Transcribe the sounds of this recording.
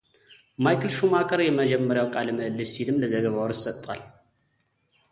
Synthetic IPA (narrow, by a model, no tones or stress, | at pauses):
majkʰɨlʃumakʰɐɾjɛməd͡ʒɛmːəɾjawkʼalmɨlːɨsilɨmləzəɡəβawɾsɐt̪ʼal